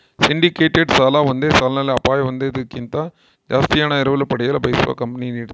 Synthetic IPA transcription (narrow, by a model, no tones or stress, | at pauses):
sɪɳɖɪkeːʈːeɖsaːlaːʋɐnd̪eːsaːlnaːleɐpːaːjʋɐnd̪ɐðɯkːɪnt̪aː | d͡ʒaːst̪ɪjaːnɐɪɾɐʋɯlɐpɐɽɐjaːlɐbɐɪsʋa̰ːkɐmpɐniniɽt̪ː